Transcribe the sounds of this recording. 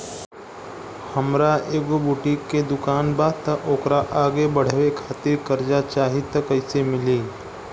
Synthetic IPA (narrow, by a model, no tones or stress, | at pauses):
hɐmɾaeːɡobʊʈikːed̪ʊkaːnbaːt̪ɐoːkɾaʔaːɡebɐɽ̤ʋekʰaːt̪ɪɾkɐɾd͡ʒat͡ʃaːɦit̪ɐkɐɪsemɪliː